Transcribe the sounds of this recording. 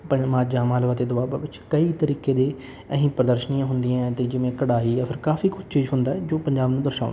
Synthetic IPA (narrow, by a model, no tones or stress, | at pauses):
pəmaːd͡ʒãːmaːlʋaːt̪eːd̪ʊaːbaʋɪt͡ʃkəiːt̪əɾiːkeːd̪eː | əɦĩːpɾəd̪əɾʃəniːãːɦʊnd̪ijãːt̪eːd͡ʒɪʋẽːkəɽaːiːapʰɪɾkaːfiːkʊd͡ʒt͡ʃiːzɦʊ̃nd̪aːɛd͡ʒoːpəɲd͡ʒaːbnũːd̪əɾʃaːʊnː